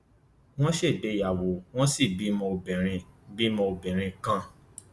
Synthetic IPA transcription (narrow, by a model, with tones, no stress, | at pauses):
w̃ɔ̃˦ʃe˦˨de˨˦ja˨wo˨w̃ɔ̃˦si˦˨bi˨˦mɔ̃˧o˧bɛ˨ɾ̃ĩ˧bi˨˦mɔ̃˧o˧bɛ˨ɾ̃ĩ˧kã˦